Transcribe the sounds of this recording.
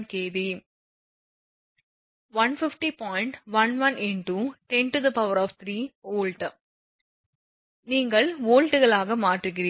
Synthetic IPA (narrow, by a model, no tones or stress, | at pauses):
nkeːʋi | ʋɐnfɪfʈipɔːɪɪɳʈʋɐnʋɐnʔɛnʈuʈɛnʈuðɐpɐʋɐɾɔːʋt̪ʰɾiːoːlʈ | niːŋɡɐɭoːlʈɯɣɐɭaːɣɐmaːʈrɯɣɪɾiː